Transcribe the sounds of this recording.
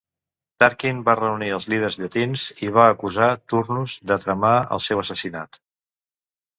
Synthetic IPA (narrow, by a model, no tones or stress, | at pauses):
t̪aɾkinbarəuniəlˠzlið̞ərzʎət̪inziβ̞aəkuzat̪urnuzd̪ət̪ɾəmaə̰lˠsɛwəsəsina̰t̪